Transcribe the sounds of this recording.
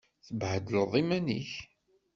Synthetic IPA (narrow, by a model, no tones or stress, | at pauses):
θəbʕəd̪əlðˤimænḭç